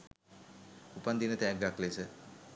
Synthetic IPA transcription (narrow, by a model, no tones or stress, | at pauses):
upand̪inət̪ɛːɡaklesə